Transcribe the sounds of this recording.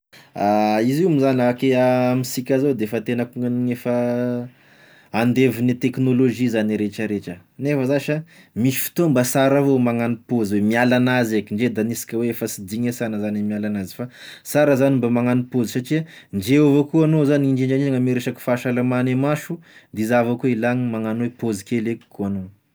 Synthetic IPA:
aizimizanakeaamisikʲazowd̪eefat̪enəkuŋaniŋefə | and̪evinit̪eknoloʒizaniɾeʈ͡ʂəɾeʈ͡ʂənefəzaʃa | misi̥fi̥t̪ombasaɾavomaŋanipozwemialanazekʲiɳɖ͡ʐed̪anisi̥kʲəweefəsid̪iɲasanəzanimialanazi̥fasaɾəzanimbamaŋanipozisaʈ͡ʂiaɳɖ͡ʐeovokuanozaniiɳd͡ʒiɳɖ͡ʐaniaŋəmiɾeʃaki̥faʃalamanemaʃud̪izavakuilaŋimaŋanowepozikeleku̥koano

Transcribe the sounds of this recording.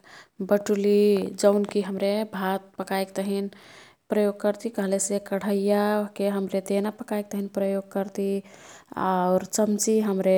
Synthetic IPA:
bəʈulid͡ʒəʊnkiɦəmɾebʱat̪̚pəkajkt̪əɦin | pɾəjoɡ̚kəɾt̪ikəɦlɛsekəɽ̤əjakeɦəmɾet̪enapəkajk̚t̪əɦinpɾəjoɡ̚kəɾt̪i | a̰ʊɾt͡ʃəmt͡ʃiɦəmɾe

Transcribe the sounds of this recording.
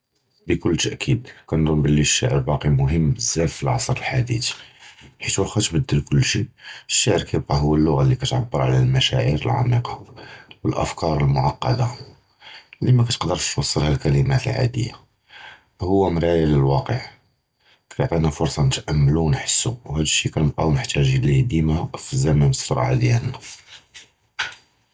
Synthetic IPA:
bəkʊlːt̪əʔkʰid̪kænd̪unbəlːiʃːaʕəɾbɑqimʊɦəmːəzːæd̪filʕɑsˤɾˤəlħad̪ḭt̪i̥ħit̪wlxæt̪bəd̪ːəlkʊlːʃiəʃːaʕəɾkæjəb̚qɑɦʊwːælːʊɣalːikæt̪ʕabːəɾˤʕalælmæʃæ̰ʕiɾə̰lʕɑ̰miqɑwəlʔə̰fkɑɾˤəlmʊʕɑqːɑ̰d̪a | limækæt̪ə̥qd̪əɾt̪wɑsˤːəlhælkæləmæt̪əlʕa̰d̪ə̰jːa̰ | hʊwːæmɾˤæjæləlwɑqəʕ | kæjʕt̪ˤinæfʊɾsˤɑnət̪ʔæmːlunħə̥sːuwhæd̪əʃːikænəqɑwnəħt̪ʰːæʒilid̪imæfizæmænəsːoɾ̰ˤʕa̰d̪jæn

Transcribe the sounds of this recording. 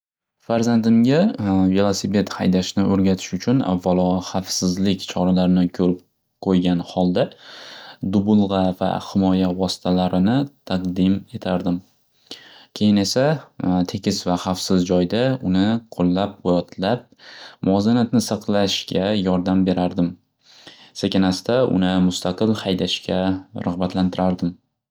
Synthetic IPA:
faɾzand̪ɪmɡʲavelˠasipe̞t̪ha̰jd̪aʃnɪʔɵɾɡʲat̪ʰɪ̥ʃʊt͡ʃʰʊna̰vːalˠɒχafsɪzlɪkʲt͡ʃʰɒɾalaɾɪnɪkʲʰɵɾɪp̚ | qʰojɡʲanhɒlˠd̪a | d̪ʊbʊlˠʁɑva̰hɪmɒjavɒsɪ̥t̪ʰalaɾɪnɪt̪ʰɑqd̪ɪme̞t̪ʰaɾd̪ɪm | kʲʰe̞jɪne̞sat̪ʰe̞kʲʰɪsvaχafsɪzd͡ʒɒjd̪aʊnɪqʰolˠːap̚qʰojɒt̪ʰlap̚mʊɒzanat̪nɪsɑqlˠaʃkʲʰajɒɾd̪ambe̞ɾʔaɾd̪ɪm | sakʲanast̪aʊ̰nɪmʊst̪ʰaqɨlˠhajd̪aʃkʲʰaɾʔʊʁbat̪lant̪ʰɪɾaɾd̪ɪm

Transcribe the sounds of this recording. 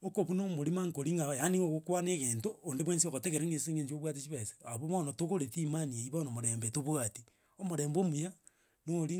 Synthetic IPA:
okoβunomoɾimaŋkoɾiŋɡaajaniŋoɣokwanekentoːndeβwensioɣoteɣeɾeŋɡeseŋeɲd͡ʒoβwatit͡ʃiβese̥aβomonotoɣoɾetimanieiβonomoɾembetoβwati | omoɾeːmbomuja | noɾi

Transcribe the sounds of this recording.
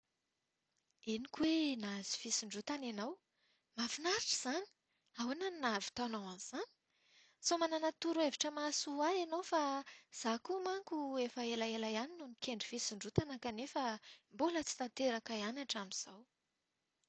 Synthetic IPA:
inikʲwenazi̥fisiɳɖ͡ʐut̪ananaw | mafinaɾiʈ͡ʂiz̥ani̥ | awinaninavi̥t̪anawanz̥ani̥ | somananat̪uɾueviʈ͡ʂəmasuaanowfaz̥akumaŋkuefəelaelajaninunikʰeɳɖ͡ʐifisiɳɖ͡ʐut̪anakanefəmbolət͡si̥t̪ant̪eɾakaianaʈ͡ʂamiz̥aw

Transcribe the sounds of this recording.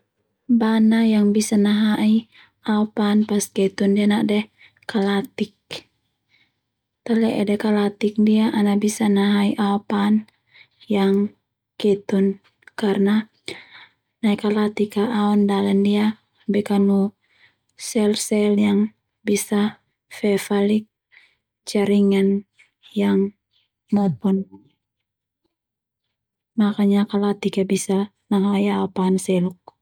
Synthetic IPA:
banajaŋbisanaɦai | aopanpaskɛt̪undianadɛ | kalat̪ik | t̪alɛʔɛ̰dɛkalat̪ik̚diaʔanabisanaɦaiʔaɔpan | jaŋ | kɛt̪un | karna | naikalat̪ikaːɔndalandia | bɛkanu | sɛlsɛljaŋ | bisa | fɛfalik̚ | t͡ʃaɾiŋan | jaŋ | mɔpɔn | makaɲakalat̪ikabisa | naɦajaɔpaːnsɛluk̚

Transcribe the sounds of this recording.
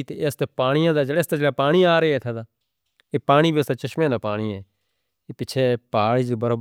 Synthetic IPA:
t̪est̪eːpaːɽ̃ɪjãːd̪aːd͡ʒəɽeːst̪aːd͡ʒeːɽaːpaːɽ̃iːaːɾeɛːt̪ʰaːd̪aː | eːpaːɽ̃iːbʱiːəst̪aːt͡ʃəʃmẽːd̪aːpaːɽ̃iːɛː | eːpɪt͡ʃʰeːpaːɭiːd͡ʒbəɾoː

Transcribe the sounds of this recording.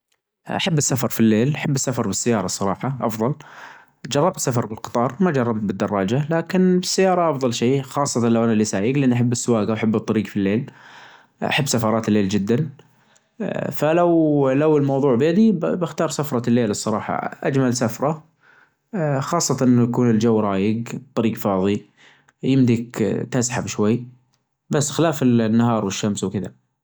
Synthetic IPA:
ʔa̰ħabːɪsːafɑɾˤfilːeːlʔaħabːɪsːafɑɾˤbɪsːajɑːɾˤɑsˤːɑɾˤɑːħɑʔɑfðˤɑl | d͡ʒɑrˤːɑb̚t̪sːafɑɾˤbɪlqɨ̥t̪ˤɑːɾˤmad͡ʒɑrˤːɑb̚t̪̚bɪd̪ːɑrˤːɑːd͡ʒalaːkɪnbɪsːajːɑːɾˤɑʔɑfðˤɑlʃeːxɑːsˤːɑt̪ɑnlawʔanalːisaːjɪɡlɪʔɪnːʔaħabːɪsːʊwaːɡawʔaħabːɨt̪ˤːɑɾiːɡfilːeːl | a̰ħabːsafɑɾˤɑːt̪ɪlːeːld͡ʒɪd̪ːan | falawlawɪlmɑwðˤuːʕbjad̪ibɪxt̪ɑːɾˤsafɾˤɑlːeːlɨsˤːɑɾˤɑ̰ːħɑ̰ʔad͡ʒmalsafɾˤɑ | xɑːsˤːɑt̪ɑʔɪnːjakuːnɪld͡ʒawːɾˤɑːjɪɡt̪ˤːɑɾiːɡfɑːðˤi | jɪmd̪ikt̪asħabʃwajː | basːxɪlaːfɪnːahɑːɾˤwɪʃːamswkɪða̰

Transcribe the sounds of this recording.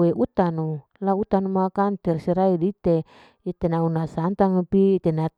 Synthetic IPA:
weʔut̪anu | laut̪anumakant̪ɛrsiɾaidit̪e | it̪enaunasant̪aŋpiːt̪ena

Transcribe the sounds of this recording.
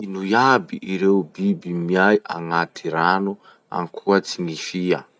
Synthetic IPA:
inujabḭʔiɾeubibimiajʔa̰ŋatʰiɾanu | a̰ŋkʰuat͡siŋifia̰

